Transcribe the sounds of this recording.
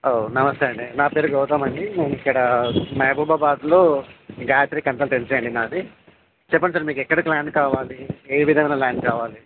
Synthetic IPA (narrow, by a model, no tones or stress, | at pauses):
onɐmɐst̪eːɐɳɖinaːpe̞ːɾuɡɔːt̪aːmɐɳɖineːnuikːɐɽɐmɐjbubɐbaːd̪loːɡaːtɾiːkɐnt̪ɐlʈent͡ʃeːɐɳɖinaːdi | t͡ʃɛpːɐns̬aːɾmiːkɛkːɐɽɐklaːɳɖkaːʋaːlieːʋid̪ʱɐmɐjnɐlaːɳɖkaːʋaːli